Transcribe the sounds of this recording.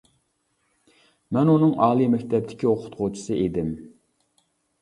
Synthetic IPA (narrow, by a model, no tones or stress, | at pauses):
mɛnunɨŋɑːlˠimɛkʲt̪ʰɛb̚d̪ɪ̥kʲioqʰʊ̥t̪qot͡ʃʰu̥sɨʔed̪ɪm